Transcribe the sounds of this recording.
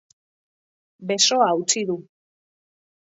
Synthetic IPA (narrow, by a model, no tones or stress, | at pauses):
be̞so̞aut͡siðu